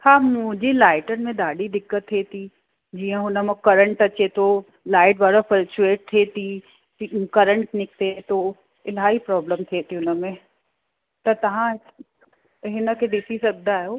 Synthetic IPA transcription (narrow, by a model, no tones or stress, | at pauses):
hãːmʊ̃d͡ʒilaːɪʈənmẽd̪aːɽid̪ɪkːət̪ʰːet̪ʰi | d͡ʒiːə̃ɦʊnəmɐ̃kɐɾə̃ɳʈɐt͡ʃet̪o | laːɪʈbaːɽafəlt͡ʃueːʈ̚t̪ʰet̪ʰi | ikɐɾə̃ɳʈnɪk̚t̪et̪o | ɪlaːipɾɔːbləmt̪ʰet̪ʰiʊnəmẽ | t̪ɐt̪ɐʋã | ɦɪnəked̪ɪsisɐb̚d̪ajoː